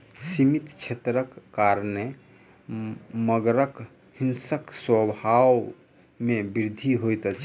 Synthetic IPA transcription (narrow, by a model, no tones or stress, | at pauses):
simit̪t͡ʃʰet̪ɾəkːaɾne | məɡɾək | hinsəkswəbʱaw | mebiɾd̪ʱiɦojt̪ət͡ʃʰ